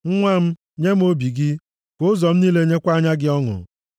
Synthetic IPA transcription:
ŋ̩˦ŋʷa˦m̩˦ | ɲe˦m̩˦o˦bi˨ɡɪ˦ | kʊ˨˦ʊ˦zɔ˨m̩˦niː˦le˦ɲe˦kʷa˦ɲa˦ɡɪ˦ɔ˦ŋʊ̰˨

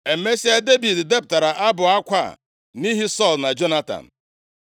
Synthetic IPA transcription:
e˨˦me˦si˦a˦de˦bi˨dde˦p̚ta˨ɾa˨ʔa˦bʊ˨a˦kʷa̰˦˨ | ni˦ɦi˦sɔ˦˨lna˨d͡ʒo˦na˦ta̰˨n̩˨

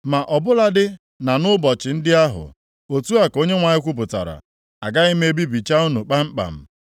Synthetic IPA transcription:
ma˨ʔɔ˨bʊ˦la˦dɪ˦ | na˨nʊ˦bɔ˨t͡ʃɪ˨n̩˦dɪ˦a˦ɦʊ̰˨ | o˨tu˦a˨ko˦ɲe˦ŋʷa˨ɲɪ˦kʷʊ˦p̬ʊ˨ta̰˨ɾa̰˨ | a̰˨ɡa˦ɪ˦m˦e˦bi˦bi˨t͡ʃa˦u˦nu˨k͡pa˦ŋ͡m̩˦k͡pa̰˨m̩˦

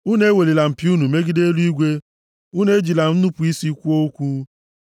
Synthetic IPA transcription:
u˦ne˦we˨li˨la˨m̩˨pju˦nu˨me˦ɡi˦de˦lu˦i˦ɡʷe˦ | u˦ne˦d͡ʒi˨la˨n̩˦nu˦pu˨i˦si˦kʷu˦o˦kʷu˦

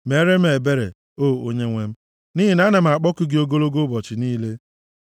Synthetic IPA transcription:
me˨˦ɾe˦m̩˦e˨be˦ɾḛ˨ | o˦˨o˦ɲe˦ŋʷe˦m̩˦ | ni˦ɦi˨na˦ne˨m̩˨a˨k͡pɔ˦kʊ˦ɡɪ˦o˦ɡo˦lo˦ɡo˦bɔ˨t͡ʃɪ˨niː˦le˦

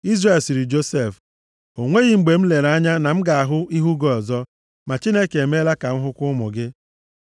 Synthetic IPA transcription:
i˦zre˨lsi˨ɾi˨d͡ʒo˦se˦˨f | o˨ŋʷe˦ɣi˨ŋ͡m̩˨ɡ͡be˨m̩˦le˨ɾa˦ɲa˦na˨m̩˦ɡa˨a˨ɦʊ˦i˦ɦu˦ɡɔ˨ɔ˨zɔ˦ | ma˨t͡ʃi˦ne˦ke˨e˨me˦la˦ka˨m̩˦ɦʊ˦kʷʊ˦mʊ̰˨ɡɪ˦

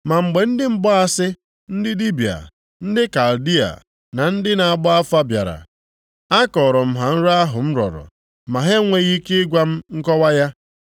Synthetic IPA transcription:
ma˨ŋ͡m̩˨ɡ͡be˨n̩˦dɪ˦m̩˦bɔ˦a˦sɪ˦ | n̩˦dɪ˦di˦bi˨a̰˨ | n̩˦dɪ˦ka˨ldi˦a̰˨ | na˨n̩˦dɪ˦na˨a˨ɡ͡bɔ˦a˦fa˦bja̰˨ɾa̰˨ | a˦kɔ˨ɾɔ˨m̩˦ɦa˨n̩˦ɾa˦ɦʊ̰˨m̩˦ɾɔ̰˨ɾɔ̰˨ | ma˨ɦe˦ŋʷe˦ɣi˦ke˦ɪ˦ɡʷa˦m̩˦ŋ̩˦kɔ˦wa˦ja˦

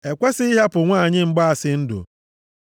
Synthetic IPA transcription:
e˨kʷe˦sɪ˦i˦ɦa˦pʊ˨ŋʷaː˦˨ɲɪ˦ŋ͡m̩˦ɡ͡ba˦a˨sɪ˨n̩˦dʊ̰˨

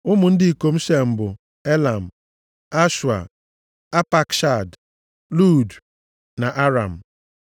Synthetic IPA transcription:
ʊ˦mʊ˨n̩˦dɪ˦i˨ko˨m̩˦ʃe˨m̩˨bʊ˨ | e˦la˨m̩˨ | a˦ʃa̰˨ | a˦pa˦˨kʃa˨d | lu˦˨d | na˨ʔa˦ɾa̰˨m̩˨

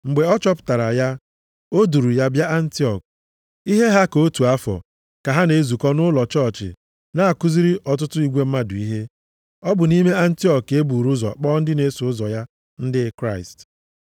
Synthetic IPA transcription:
ŋ͡m̩˨ɡ͡be˨ɔ˦t͡ʃɔ˦pʊ̥˨ta˨ɾa˨ja˦ | o˦du˨ɾu˨ja˦bja˦ʔa˦n̩˦ti˦ɔ˨k̚ | i˦ɦe˦ɦa˦ko˦tu˨a˦fɔ̰˨ | ka˨ɦa˦ne˨˦zu˨kɔ˦nʊ˦lɔ˨t͡ʃɔ˦˨t͡ʃɪ̰˨ | na˨a˨ku˦zi˦ɾi˦ʔɔ˨t̬ʊ˦tʊ˦i˦ɡʷe˦m̩˦ma˦dʊ˨i˦ɦe˦ | ɔ˦bʊ˨ni˦me˦a˦n̩˦ti˦ɔ˨ke˦bu˨ɾu˦zɔ̰˨k͡pɔː˦n̩˦dɪ˦ne˦sʊ˨ʊ˦zɔ˨ja˦ | n̩˦dɪ˦kɾa˦ɪ̰˨st

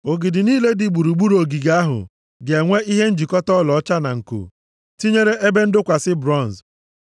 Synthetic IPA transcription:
o˨ɡɪ˨dɪ˨niː˦le˦di˨ɡ͡bu˨ɾu˨ɡ͡bu˦ɾo˨ɡi˨ɡa˦ɦʊ̰˨ | ɡe˨ŋʷe˦i˦ɦe˦n̩˦d͡ʒi˨kɔ˦tɔ˦lɔ˨˦t͡ʃa˦na̰˨ŋ̩˨ko̰˨ | ti˦ɲe˦ɾe˦ʔe˦be˦n̩˦dʊ˦kʷa˨sɪ˦bɾɔ˦˨n˨z

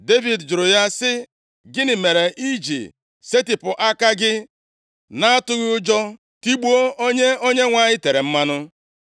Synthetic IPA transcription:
de˦vi˨dd͡ʒʊ˨ɾʊ˨ja˦sɪ˦ | ɡɪ˦nɪ˨me˨ɾe˨ʔi˦d͡ʒḭ˨ | se˦tɪ˨pʊ˨ʔa˦ka˦ɡɪ˦ | na˦a˦tʊ˦ɣɪ˦ʊ˦d͡ʒɔ˦ | ti˦ɡ͡bu˦o˦o˦ɲe˦o˦ɲe˦ŋʷa˨ɲɪ˦te˨ɾe˨m̩˦ma˦nʊ˦

